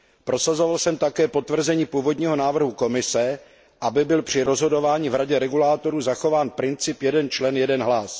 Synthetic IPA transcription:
pɾo̞sazovalsɛmt̪akɛːpo̞t̪vr̩zɛɲiːpuːvo̞dɲiːɦo̞naːvr̩ɦuko̞mɪsɛ | ʔabɪbɪlpr̝̥ɪɾo̞zɦo̞do̞vaːɲiːvɾaɟɛɾɛɡulaːt̪o̞ɾuːzaxo̞vaːnpɾɪnt͡sɪpjɛdɛnt͡ʃlɛnjɛdɛnɦlas

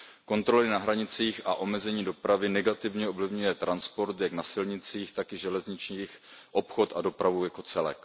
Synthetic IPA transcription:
ko̞nt̪ɾo̞lɪnaɦɾaɲɪt͡siːxʔaʔo̞mɛzɛɲiːdo̞pɾavɪnɛɡat̪ɪvɲɛovlɪvɲujɛt̪ɾʔanspo̞ɾt̪jaɡnasɪlɲɪt͡siːxt̪akɪʒɛlɛzɲɪt͡ʃɲiːx | ʔopxo̞t̪ʔa̰do̞pɾavujako̞t͡sɛlɛ̰k

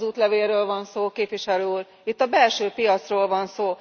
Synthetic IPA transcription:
uːt̪lɛveːrrøːlvɒnsoːkeːpʋiʃɛløːuːr | it̪ːɒbɛlʃøːpijɒt̪sroːlvɒnsoː

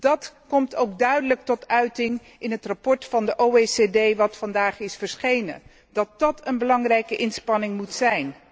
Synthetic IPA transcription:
d̥ɑtkɔmtʰowɡ̚dœɥdələk̚tɔtœɥtɪŋ | ɪnɦətrapɔɹtfɑndəʔowesedejʋɑtfɑndaːχɪsfəɹsχejnə̰ | dɑt̚dɑtənbəlɑŋrɛjkəʔɪnspɑnɪŋmutsɛjn

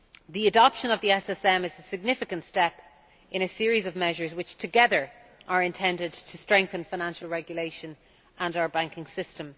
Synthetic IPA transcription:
ðiədɒpʃə̃nəvðiɛsɛsɛ̃mɪzəsɪɡ̚nɪfɪkə̃ntstɛp | ʔɪ̃ñəsɪəɹizəvmɛʒə˞zwɪt͡ʃtʰəɡɛðə˞ʔə˞ɪ̃ntʰɛ̃ndɪd̚tʰəstɹ̥ɛ̃ŋk̚θə̃nfaɪnãnʃəlˠɹɛɡjəleɪʃə̃n | ʔə̃naʊə˞bãŋkɪ̃ŋsɪstə̃m

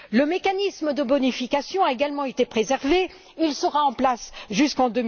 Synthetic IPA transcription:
ləmekanisməd̪əbɔnifikasjɔ̃aeɡalmɑ̃et̪epχezɛʁve | ilsəʁaɑ̃plasʒyskɑ̃d̪ə

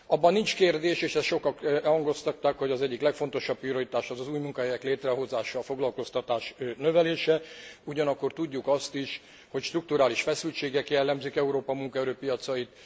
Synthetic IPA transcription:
ɒbːɒnːint͡ʃkeːrd̪eːʃeːʃɛsʃo̞kɒkhɒŋɡo̞st̪ɒt̪ːaːkho̞ɟɒzɛɟːiklɛkfo̞n̪t̪o̞ʃɒbpiɾoit̪aːʃɒzɒzuːjmuŋkɒɦɛjɛkleːt̪rɛɦo̞zaːʃɒfo̞ɡlɒlko̞st̪ɒt̪aːʃnøvɛleːʃɛuɟɒnɒkːo̞rt̪uɟːukɒst̪iʃ | ho̞cʃt̪ruk̚t̪uɾaːliʃfɛsylt͡ʃeːɡɛkjɛlːɛmzikɛuɾoːpɒmuŋkɒɛɾøːpijɒt̪sɒjit̪

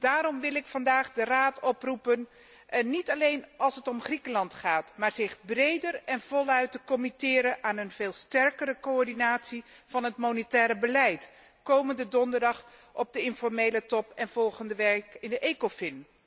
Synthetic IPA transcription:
d̥aːɾɔmʋɪlˠɪkfɑndaːχdəraːtɔprupən | nitɑlejnʔɑlˠsətɔmχrikəlɑntχaːtmaːɹzɪχbrejdərɛnv̥ɔlˠœɥtəkɔmitɪːɾəʔaːnənveːlˠstɛrkəɾəkoɔɹdinaːtsi | v̥ɑnɦətmoːnətɛːɾəbəlɛjt | kowməndədɔndəɹdɑχʔɔb̚dəɪnfɔɹmejlətɔpɛnv̥ɔlˠχəndəʋɛɹkɪndəʔejkofɪn

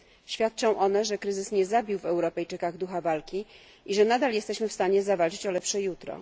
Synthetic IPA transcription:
ɕfʲjat̪̚t͡ʂɔ̃w̃ʔɔn̪ɛʐɛkɾɘzɘsɲɛzabʲiwvɛwɾɔpɛjt͡ʂɘkaɣd̪uxavalkʲi | iʐɛnad̪aljɛst̪ɛɕmɘfst̪aɲɛzavalt͡ʂɘ̥t͡ɕɔlɛpʂɛjut̪ɾɔ̰

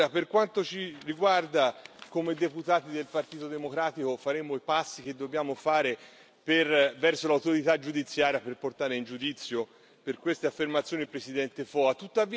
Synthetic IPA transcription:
aperkwant̪ot͡ʃiriɡward̪akomed̪eput̪aːt̪id̪elpart̪iːt̪od̪emokɾaːt̪ikofaɾɛmoipasːik̟ed̪ːobjaːmofaːɾe | pervɛrsolawt̪oɾit̪ad͡ʒud̪it̪sːjaːɾjaperport̪aːɾeind͡ʒud̪it̪sːjo | perkwest̪eafːermat̪sːjoːnipɾesid̪ɛnt̪efɔːat̪ut̪ːaviː

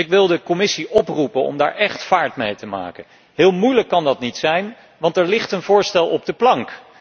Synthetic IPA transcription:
ɪkʋɪlˠdəkɔmɪsiʔɔprupənɔ̰mda̰ːɹʔɛχtfaːɹtmejtəma̰ːkə | ɦɪːlˠmujləkːɑndɑtnitsɛjn | ʋɑntɛɹlɪχtənvʊːɹstɛlˠɔb̚dəplɑŋk

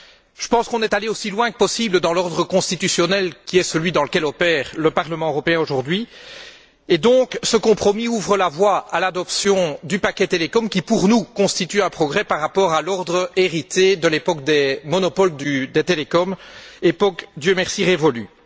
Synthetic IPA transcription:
ʒ̥ə̥pɑ̃skɔ̃nɛt̪aleosilwɛ̃kə̥pɔsibləd̪ɑ̃lɔʁd̪ʁəkɔ̃st̪it̪ysjɔnɛlkʲiɛsəlɥid̪ɑ̃ləkʲɛlɔpɛːʁləpaʁləmɑ̃øʁɔpeɛ̃oʒuʁd̪ɥi | ed̪ɔ̃ksəkɔ̃pχɔmiuvʁəlavwaalad̪ɔpsjɔ̃d̪ypakʲɛt̪elekɔmkʲipuʁnukɔ̃st̪it̪yɛ̃pχɔɡʁɛpaʁːapɔːʁalɔʁd̪ʁəeʁit̪ed̪əlepɔkd̪ɛmɔnɔpɔld̪yd̪ɛt̪elekɔmepɔkd̪jømɛʁsiʁevɔly

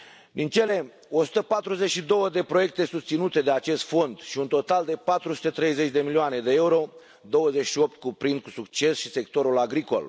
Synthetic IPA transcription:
d̪int͡ʃe̞le̞ | o̞su̥t̪əpat̪ɾuzet͡ʃʃid̪o̞wəd̪e̞pɾo̞je̞k̚t̪e̞sust̪sinut̪e̞d̪e̞at͡ʃe̞st̪fo̞nd̪ʃiunt̪o̞t̪ald̪e̞pat̪ɾusu̥t̪e̞t̪ɾe̞jze̞t͡ʃʲd̪e̞milioane̞d̪e̞euɾo̞ | d̪o̞wəze̞t͡ʃʃio̞p̚t̪kupɾind̪̚kusuk̚t͡ʃe̞sʃise̞k̚t̪o̞ɾulaɡɾiko̞̰l

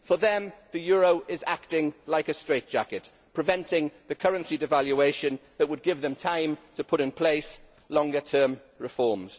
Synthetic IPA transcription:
fəðə̃mðəjɔːɹoʊʔɪzak̚tɪ̃ŋlaɪkəstɹ̥eɪt̚d̥ʒ̥akɪt | pʰɹ̥ɪvɛ̃ntɪ̃ŋðəkʰʌɹə̃nsidɪvaljueɪʃə̃nðəʔwəd̚ɡɪvðə̃mtʰãɪ̃mtʰəpʰʊɾɪ̃npʰl̥eɪs | lɒ̃ŋɡətʰɜːm | ɹɪfɔːmz̥

